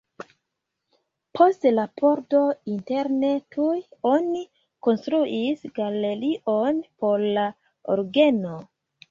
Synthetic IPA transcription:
pʰo̞stlapʰo̞ɾto̞inte̞ɾne̞tʰujo̞ni | ko̞nstɾuʔisɡale̞ɾiʔo̞npo̞ɾla | o̰ɾɡe̞no

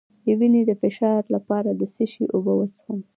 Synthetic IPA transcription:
jəwinid̪əfɪʃɑɾlapɑɾad̪əsiʃiʔobowət͡sə̥xən

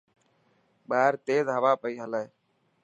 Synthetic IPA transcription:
ɓaːɾt̪eːzɦəʋaːpəiːɦələː

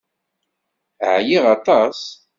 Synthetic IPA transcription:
ʕjiʁɑt̪ˤɑs

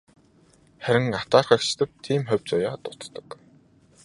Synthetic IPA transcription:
χæɾʲɪ̆ŋat̪aːrχœkt͡ɕt̪ə̆p̚t̪ʰiːmχœwʲt͡sʊjaːt̪ʊt̪t̪ə̥̆k

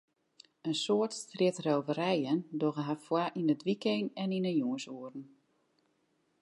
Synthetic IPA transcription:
ənsoətstrɪtrowvəɾɛjəndoɣəɦafwaʔinətʋikenɛninəjuənsuərn̩

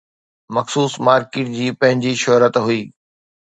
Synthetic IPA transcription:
mɐxsuːsmaːɾkɪːʈ̚d͡ʑiːpɐ̃ɦɪ̃ɲd͡ʑiʃɔɾət̪ɦʊiː

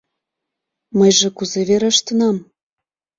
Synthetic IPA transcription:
məjʒĕkuzeβeɾə̆ʃt̪ənɑm

